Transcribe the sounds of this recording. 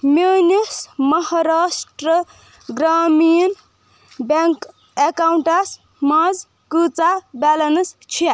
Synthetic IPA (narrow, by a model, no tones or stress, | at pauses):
menismʌɦaɾasʈɾə | ɡɾamin | baŋk | ekawɳʈas | mad͡z | kɨt͡sabalɐnst͡ʃʰia